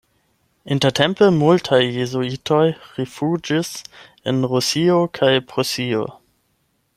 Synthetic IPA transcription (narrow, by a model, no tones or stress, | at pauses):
intetʰempəmultʰajːezoitʰojɾifud͡ʒis | enɾusiokʰajpɾosio̰